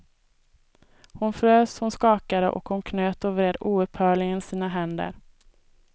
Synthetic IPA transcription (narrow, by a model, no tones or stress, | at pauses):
hʊnfɾøːshʊnskɑːkaɾə̰ʔɔ̰khʊnkʰnøːt̪əɾvɾeːd̪uːɵphœːɭɪɡənsiːnaɦɛnd̪ə̰ɾ